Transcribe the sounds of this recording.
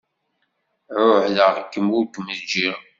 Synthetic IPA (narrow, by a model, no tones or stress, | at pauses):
ʕʊħləʁkːəmʊɾkməzd͡ʒiɾ